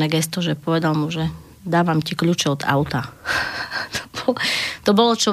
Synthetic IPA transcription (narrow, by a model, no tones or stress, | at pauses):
nɛːɡɛst̪ɔʒɛpɔʋɛd̪almuʒɛ | d̪aːʋamcikʎut͡ʃɛɔd̪a̰ʊt̪a | t̪ʰɔbɔlɔt̪ɔbɔlɔt͡ʃɔ